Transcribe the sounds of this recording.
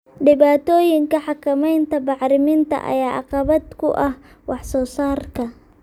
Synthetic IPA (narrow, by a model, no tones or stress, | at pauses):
ɖɪβaːt̪ʰɔːjɪŋkɐħɑkʰɐmɛjnt̪ʰɐbɑʕɾɪmɪnt̪ʰɐ̰ʔɐ̰jaːɑ̰qɑβɐd̪kʰʊʔɐh | wɑħsɔːsaːrkʰɐ